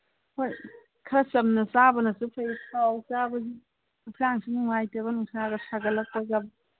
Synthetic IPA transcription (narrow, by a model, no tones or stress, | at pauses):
hoj | kʰɐsɐmnɐsabɐnɐsupʰajsʰawsabɐzi | pʰlaŋsinuŋajtɐβɐnuŋsaɡɐsaɡɐlɐk̚pɐɡɐ